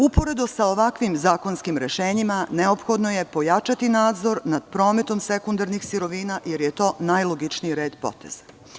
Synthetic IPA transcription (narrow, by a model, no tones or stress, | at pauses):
upo̞ɾe̞d̪usao̞ʋakʋimzaːko̞nskimɾeʃeːɲimane̞o̞pxo̞d̪no̞je̞po̞jat͡ʃat̪inaːd̪zo̞ɾnad̪̥pɾo̞ːme̞t̪o̞msekund̪aɾnixsiɾo̞ʋiːnaje̞ɾjet̪o̞ːnajlˠoɡit͡ʃniiɾe̞ːd̪po̞̰t̪e̞̰z̥ḁ